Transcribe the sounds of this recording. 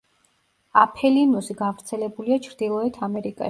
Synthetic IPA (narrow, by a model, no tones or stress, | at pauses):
apʰɛlinusiɡavɾt̪sʰɛlɛbuliat͡ʃʰɾd̪ilˠɔɛt̪ʰamɛɾikʼa̰ʃ